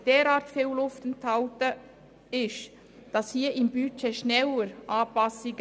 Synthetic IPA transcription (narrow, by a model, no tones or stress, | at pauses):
d̥eːɾɑːtfewlʊftən̩tʰaʊtə | ɪʃ | d̥ɑshiːɪmbyt͡ʃeʃnɛləɾʔɑːpɑsɪɡ